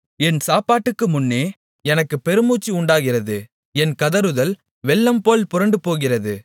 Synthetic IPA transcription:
ɛnsaːpaːʈːɯkːɯmʊnːeː | ɛnɐkːɯpɛɾɯmuːt͡ʃːiʊɳɖaːɣɪrɐðɯ | ɛnkɐðɐɾɯðɐl | ʋɛɭːɐmpoːlpʊɾɐɳɖɯpoːɣɪrɐðɯ

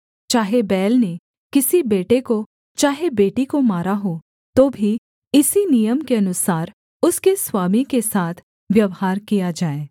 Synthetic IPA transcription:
t͡ʃaːɦebɛːlne | kɪsibeːʈeko | t͡ʃaːɦebeːʈikomaːɾaɦo | t̪oːbʱi | ɪsinijəmkeɐnʊsaːɾ | ʊskeswaːmikesaːt̪ʰ | ʋjɐʋhaːɾkijad͡ʒaːeː

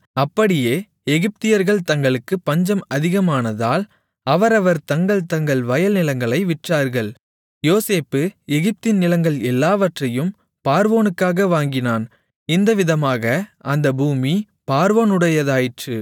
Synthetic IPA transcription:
ɐpːɐɽɪjeː | ɛɣɪp̚t̪ɪjɐɾɣɐɭt̪ɐŋɡɐɭɯkːɯpːɐɲd͡ʒɐmɐðɪɣɐmaːnɐðaːl | ɐʋɐɾɐʋɐɾt̪ɐŋɡɐɭt̪ɐŋɡɐɭʋɐjɐlnɪlɐŋɡɐɭɐɪʋɪʈraːɾɣɐɭ | joːseːpːɯɛɣɪp̚t̪ɪnnɪlɐŋɡɐɭɛlːaːʋɐʈrɐjɯm | paːɾʋoːnɯkːaːɣɐʋaːŋɡɪnaːn | ɪnd̪ɐʋɪðɐmaːɣɐɐnd̪ɐbuːmi | paːɾʋoːnɯɽɐjɐðaːjɪʈrɯ

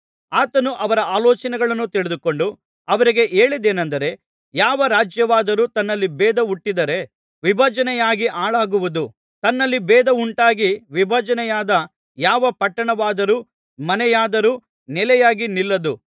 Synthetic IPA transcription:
aːt̪ɐnuʔɐʋɐɾɐaːlɔːt͡ʃɐnɛɡɐɭɐnːut̪iɭed̪uko̞ɳɖu | ɐʋɐɾiɡe̞ʔe̞ːɭid̪eːnɐnd̪ɐɾe̞ | jaːʋɐɾaːd͡ʒjɐʋaːd̪ɐɾuːt̪ɐnːɐlːibɛːd̪ɐuʈːid̪ɐɾe̞ | ʋibʱɐd͡ʒɐnɛjaːɡiʔaːɭaːɡuʋud̪u | t̪ɐnːɐlːibɛːd̪ɐuɳʈaːɡiʋibʱɐd͡ʒɐnɛjaːd̪ɐ | jaːʋɐpɐʈːɐɳɐʋaːd̪ɐɾuː | mɐnɛjaːd̪ɐɾuː | nɛlɛjaːɡinilːɐd̪u

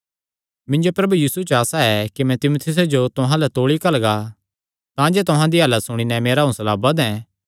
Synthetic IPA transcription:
mɪ̃nd͡ʒopɾɐbujiːsut͡ʃaːsaɛkimɛ̃t̪ɪmoːt̪ʰɪs̬ed͡ʒot̪ʊɦãlɛt̪oːɭikɐlɡa | t̪ãd͡ʒeːt̪ʊɦãd̪iɦɐlət̪sʊɽ̃inɛmeːɾaɦũsɐlaːbɐd̪ɛ̃ː

